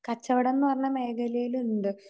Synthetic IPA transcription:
kɐt͡ɕːɐʋiɽenːɨpɐrɐɲːɐme̞ːkʰɐlɐjilunɖɨ

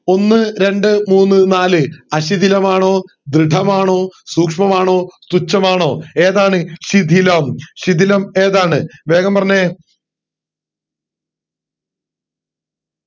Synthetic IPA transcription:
o̞nːɨɾe̞ɳɖɨmuːnːɨnaːlɨɐɕid̪ʱilɐmaːɳo̞ː | d̪ɾɨɖʱɐmaːɳo̞ːsuːkʂmɐmaːɳo̞ːst̪ut͡ɕːɐmaːɳo̞ːe̞ːðaːɳɨɕid̪ʱilɐmɕid̪ʱilɐme̞ːðaːɳɨʋe̞ːɡɐmpɐrɐɲːe

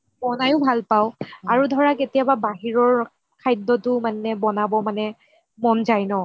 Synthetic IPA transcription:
bɔnajʊbʱalpaʊ̃aɹudʱɔɹaketijababaɦiɹɔɹ | kʰajdːɔtʊmanɛbɔnabɔmanɛ | mɔnzajnɔ

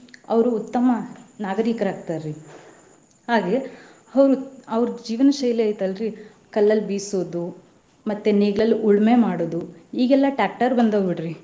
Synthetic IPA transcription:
ɐ̰ʋɾuːt̪ːɐmɐnaːɡɐɾikɐɾaːɡ̚t̪aːɾɾi | haːɡe | ɐʋɾuɐʋɾud͡ʒiːʋɐnɐʃɐjleɐjt̪ɐlɾi | kɐlːɐlːbiːsoːd̪u | mɐt̪ːeneːɡɭɐlːiʔuɭme̞maːɽoːd̪uiːɡɛlːɐʈaːk̚ʈɐɾbɐnd̪oːbiɽɾi

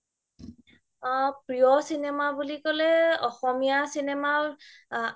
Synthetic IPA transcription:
pɹijɔsinemabulikɔlɛɔxɔmijasinɛma

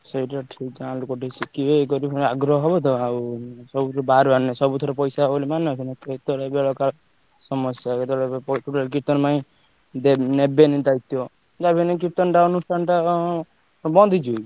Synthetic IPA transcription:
seʈaʈʰikd͡ʒalukɔʈisikiekɔɾipɔaɡɾɔɦɔɦɔbɔt̪ɔawsɔbubaɾanɛsɔbut̪ʰɔɾepɔjsaɦolimant̪inaket̪ɔɽebeɭɔka | sɔmɔsjaket̪ɔɽeɔpuʈalk̬it̪ɔnmaĩ | d̪enebenid̪ajt̪jɔ | d͡ʒabinɛk̬it̪ɔnʈaɔnusʈʰanʈa | bɔnd̪id͡ʒuj

